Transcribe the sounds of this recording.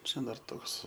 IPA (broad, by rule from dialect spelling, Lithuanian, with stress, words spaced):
ˈt͡ʃʲɛ dɐr ˈtoːks